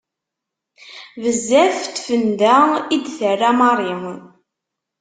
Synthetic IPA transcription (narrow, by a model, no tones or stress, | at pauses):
vəzːæft̪ːfənd̪æid̪θərːamɑɾˤi